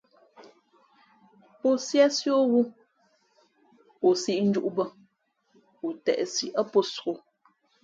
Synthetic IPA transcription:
po˦sja˦sjo˦ɣu˦ | o˨si˦ʔn̩˦d͡ʒu˦ʔbə˦˨ | u˨tɛ̰˨ʔsi˨ʔə˦po˦so˨

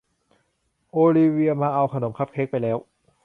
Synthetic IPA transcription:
ʔoː˧liː˧wi˧ɐmaː˧ʔa˧wkʰa˧no˨˩˦mkʰa˦˥p̚kʰe˦˥k̚pa˧jlɛː˦˥w

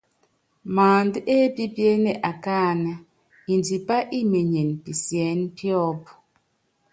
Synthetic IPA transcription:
maː˨ndʔe˦pi˦pje˦ne˨ʔa˨kaː˦˨na˦ | i˨nd͡ʒi˨pa˦ʔi˦me˨ɲe˨npi˨sjɛ˨˦npjɔ˦p

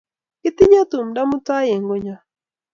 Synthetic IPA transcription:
kɪ˦t̪ɪ˦ɲa˦t̪u˨mda˦mʊ˦ta˦je˨ŋɡo˦ɲa˨

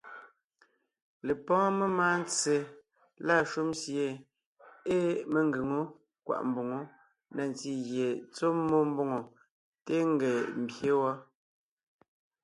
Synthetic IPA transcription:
le˨pɔ̃ː˦me˦ma˦n˦t͡se˨ | la˦˨ʃu˦msje˦˨ | e˦me˨ŋ˦ɡe˨ŋo˦ | kwa̰˨ʔm̩˨bo˨ŋo˨˦ | nɛ˨n˨ti˦ɣje˨t͡so˦mːo˦m̩˦bo˦ŋo˨ | te˦ŋ˦ɡe˨m̩˨bje˦wa˦

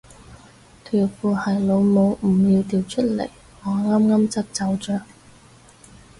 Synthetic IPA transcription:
t̪ʰyː˨˩k̚fuː˨˩hɐ˨˩jlo˨˧wmo˨˧wm̩˨˩jiː˧wt̪iː˨wt͡ʃʰɵ˥t̚lḛ˨˩j | ŋɔː˨˧ŋaː˥mŋaː˥mt͡sɐ˥p̚t͡sɐ˨˧wt͡ʃœː˨˩ŋ

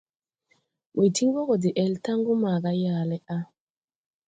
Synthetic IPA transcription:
wi˨ti˦ŋbo˦ɡɔ˨de˨ʔɛ˨lta˦ŋɡu˦ma˨ɡa˦ja˨lɛ˦ʔa˦

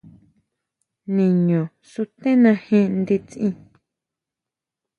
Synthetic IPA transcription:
nĩ˨ɲõ˨ | su˧t̪ẽ˦nã˧hĩ˦˧nd̪i˧t͡sʔĩ˧

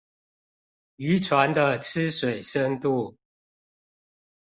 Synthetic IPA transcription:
y˨˦ʈ͡ʂʰwa˨˦nd̪ə˧t͡s̩ʰ˦swe˨˩ɪʂə˦ŋt̪u˥˨

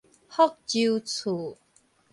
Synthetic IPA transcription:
hɔ˥˦k̚t͡ɕi˧wt͡sʰu˨˩˦

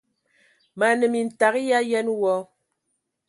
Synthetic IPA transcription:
ma˨nə˨mi˨n̩˨ta˨kja˦jɛ˦nwɔ˦

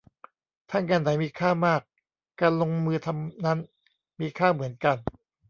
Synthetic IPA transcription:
t̪ʰa˥˩ŋkaː˧nːa˨˩˦jmiː˧kʰaː˥˩maː˥˩kː | aː˧nlo˧ŋmɯː˧t̪ʰa˧mna˦˥n | miː˧kʰaː˥˩mɯ˩˦ənka˧n

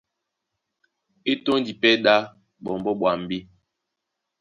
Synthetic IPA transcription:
e˦to˦n˦d͡ʒi˨pɛ˦ɗa˦ | ɓɔ˨m˨bɔ˦ɓwa˨m̩˦bi˦

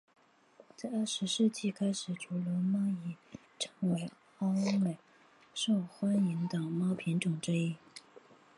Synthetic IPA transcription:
t͡sa˥˧ɪɐ˥˩ʂɻ̩˧˥ʂɻ̩˥˧t͡ɕi˥˩kʰa˥ɪʂɻ̩˨˩ʈ͡ʂu˧˥lə˧˥mɑ˥ŋi˨˩ | ʈ͡ʂʰɤ˧˥ŋwe˧˥ɪ | ɑ˥me˨˩ɪ | ʂo˥˩ʊxwa˥ni˧˥ŋt̪ə˨˩mɑ˥ʊpʰi˧˥nʈ͡ʂʊ˨˩ŋʈ͡ʂ̩˥i˥˩

